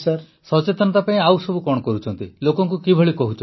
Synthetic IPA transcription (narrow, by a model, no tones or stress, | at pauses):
saɾ | sɔt͡ʃet̪ɔnɔt̪apaẽawsɔbukɔɽ̃ɔkɔɾut͡ʃʰɔnt̪ilokɔŋkukibʱɔɭikɔɦut͡ʃʰɔ